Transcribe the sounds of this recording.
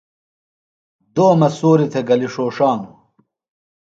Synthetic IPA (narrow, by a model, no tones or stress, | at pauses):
d̪oːmɐsoːɾit̪ʰeɡɐliʂoːʂaːnu